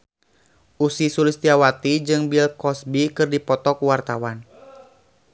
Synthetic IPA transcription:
ʔusisulist̪iawat̪id͡ʒɨŋbilkɔsbikɨrdipɔt̪ɔkuwart̪awan

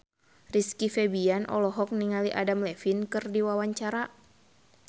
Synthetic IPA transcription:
riskifɛbianʔɔ̰lɔɦɔk̚niŋaliʔadamlɛfinkɨrdiwawaɲt͡ʃaɾa

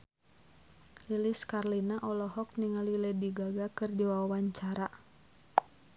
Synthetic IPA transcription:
liliskarlinaʔɔlɔɦɔk̚niŋalilɛdiɡaɡakɨrdiwaawaɲt͡ʃaɾa

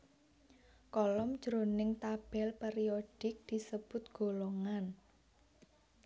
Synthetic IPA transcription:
kɔlɔm̥d͡ʒ̥ɾonɪŋt̪ab̥ɛ̤lpeɾioɖ̥ɪk̚d̪̥i̤səb̥ʊ̤t̪̚ɡ̥o̤loŋan

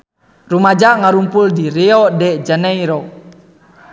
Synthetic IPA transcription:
rumad͡ʒaʔŋaɾumpuldiɾeɔdɛd͡ʒanɛiɾɔ

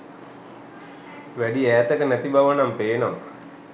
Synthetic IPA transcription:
ʋæɖiæːt̪əkənæt̪ibaʋənampeːnomə

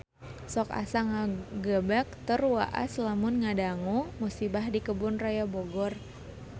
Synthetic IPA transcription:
sɔka̰saŋaɡəbak̚t̪ərwa̰ʔa̰slamʊnŋadaŋumusibahdikəbʊnrajaboɡɔr

